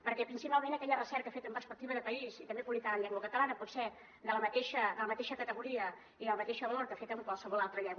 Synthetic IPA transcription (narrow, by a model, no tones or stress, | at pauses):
pəɾkɛpɾinsipalˠmẽnəkɛʎərəsɛɾkəfet̪əmpəɾrspək̚t̪iβəðəpəisit̪əmbepuβlikaðəɲʎɛŋɡwəkət̪əlanəpɔt̪sɛ | d̪ələmət̪eʃəd̪ələmət̪eʃəkət̪əɣuɾiə | iðəlˠmət̪eʃəβəloɾkəfet̪əmkwalˠsəβɔlˠalˠt̪ɾəʎɛŋɡw